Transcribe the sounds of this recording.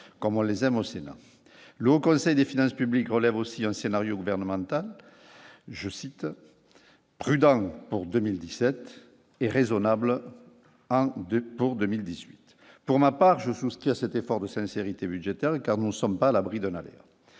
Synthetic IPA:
kɔmɔ̃lezɛmosena̰ | ləokɔ̃sɛjd̪efinɑ̃spyblikʁəlɛvosiɛ̃senaʁjoɡuvɛʁnəmɑ̃t̪al | ʒəsit̪ | pχyd̪ɑ̃puʁd̪ømild̪isɛt̪ | eʁezɔnabl | ɑ̃puʁd̪əmild̪izɥit̪ | puʁmapaʁʒəsuskχiasɛt̪efɔʁd̪əsɛ̃seʁit̪ebyd̪ʒet̪ɛʁkaʁnunəsɔmpaːlabʁid̪ɛ̃nalɛ̰ʁ

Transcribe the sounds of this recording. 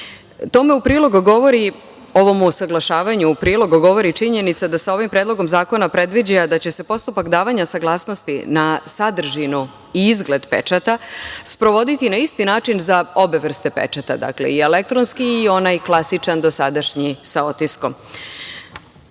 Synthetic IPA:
t̪o̞me̞upɾiːlo̞ɡuɡo̞ʋo̞ɾi | o̞ʋo̞musaɡlˠaʃaːʋaɲuupɾiːlo̞ɡuɡo̞ʋo̞ɾit͡ʃiɲe̞nit̪sad̪asao̞ʋimpɾeːd̪lˠo̞ɡo̞mzaːko̞napɾe̞d̪ʋid͡ʑaad̪at͡ɕe̞se̞po̞st̪upakd̪aːʋaɲasaɡlˠaːsno̞st̪ḭnasad̪r̩ʒinu | iizɡle̞d̪pet͡ʃat̪aspɾo̞ʋo̞d̪it̪inaist̪inaːt͡ʃinzao̞be̞ʋr̩st̪e̞pe̞̰t͡ʃat̪a̰d̪a̰kle̞̰iele̞k̚t̪ɾonskiːo̞najklˠasit͡ʃand̪o̞sad̪aʃɲisao̞t̪isko̞m

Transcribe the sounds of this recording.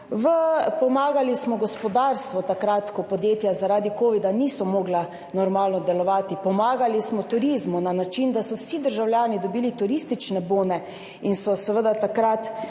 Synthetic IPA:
ʋəpɔmaːɡalismɔɡɔspɔd̪aːɾst̪ʋɔt̪akɾat̪kɔpɔd̪jeːt̪jazaɾaːd̪ikoːʋid̪aniːsɔmɔːɡla | nɔɾmaːlnɔd̪ɛlɔʋaːt̪ipɔmaːɡalismɔt̪uɾizmunanat͡ʃind̪asɔwsid̪əɾʒawlʲjaːnid̪ɔbiːlit̪uɾist̪it͡ʃnɛboːnɛ | insɔsəʋəd̪at̪akɾat̪

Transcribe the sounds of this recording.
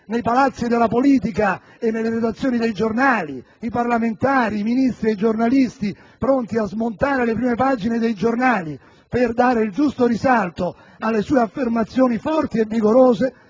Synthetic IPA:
nejpalat̪sːid̪elapoliːt̪ika | enːelːeɾed̪at̪sːjoːnid̪ejd͡ʒornaːli | iparlament̪aːɾiːminist̪ɾiejd͡ʒornalist̪i | pɾont̪iazmont̪aːɾelepɾiːmepaːd͡ʒined̪ejd͡ʒornaːli | perd̪aːɾeild͡ʒust̪oɾisalt̪o | alːesuːeafːermat̪sːjoːnifɔrt̪ievːiɡoɾoːze

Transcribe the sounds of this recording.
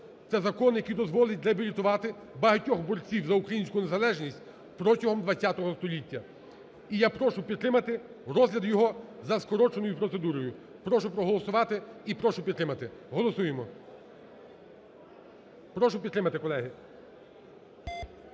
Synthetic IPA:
t̪sɛzɐkɔnjɐkʲijd̪ɔzʋɔlˠɪtʲɾeɐbʲilʲit̪ʊʋɑt̪ɪ | bɐɦɐtʲɔxbɔɾt͡sʲiwzɐukɾɐjinʲsʲkʊne̞zɐlˠɛʒnʲisʲt̚ʲ | pɾɔtʲɐɦɔmd̪ʋɐt͡sʲːat̪ɔɦɔst̪ɔlʲitʲːɐ | ijapɾɔʃʊpʲid̪t̪ːɾɪmɐt̪ɪ | ɾɔzlʲɐd̪jɔɦɔzɐskɔɾɔt͡ʃenɔjʊpɾɔt̪se̞d̪uɾɔjʊ | pɾɔʃʊpɾɔɦɔlˠɔsʊʋɑt̪ɪipɾɔʃʊpʲid̪t̪ːɾɪmɐt̪ɪɦɔlˠɔsujemɔ | pɾɔʃʊpʲid̪t̪ːɾɪmɐt̪ɪkɔlˠɛɦɪ

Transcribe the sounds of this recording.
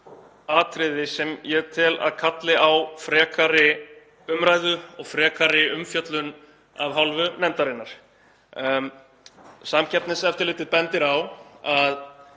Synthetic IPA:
aːt̪ʰɾɪðɪsɛmjɛt̪ʰɪla̰ðkʰat̪lɪawfɾɛːkʰaɾɪ | ʏmɾaːjðʏɔɣfɾɛːkʰaɾɪʏmfjœt̪lʏn | a̰vɦawlvʏnɛnt̪aɾɪnːaɾ̥ | samcʰɛpt̪nɪsɛft̪ʏɾlɪːt̪ɪðpɛnt̪ɪɾawað

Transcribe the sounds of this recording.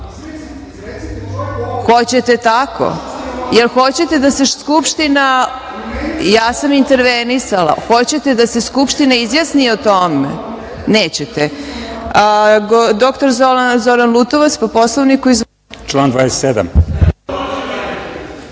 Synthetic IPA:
xo̞t͡ɕe̞t̪et̪akʰo̰jelxo̞t͡ɕe̞t̪e̞d̪ase̞skupʃt̪ina | jaːsamint̪eɾʋenisala̰xo̞t͡ɕe̞t̪e̞d̪ase̞skupʃt̪inaizjasniot̪o̞mḛ | neːt͡ɕet̪e | ɡod̪o̞kt̪o̞ɾzolanzo̞ɾanlˠut̪oʋat̪spopo̞slˠoʋnikuiz | t͡ʃlaːnd̪vaːd̪eset̪sed̪a̰m

